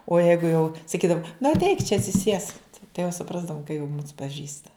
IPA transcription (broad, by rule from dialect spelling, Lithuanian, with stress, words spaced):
oː ˈjɛɪɡʊ jɛʊ sɐˈkʲiːdɐw nʊ ɐtʲˈɛɪk t͡ʃʲɛ ɐtʲsʲɪˈsʲiɛsk tɐɪ jɛʊ sʊˈprɑːzdɐʋʊm kɐ jɛʊ muːs pɐˈʒʲiːstɐ